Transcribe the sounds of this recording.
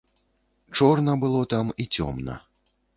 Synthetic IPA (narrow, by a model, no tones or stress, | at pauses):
t͡ʂɔrnɐbɨlˠɔt̪amit͡sʲɔ̰mnɐ̰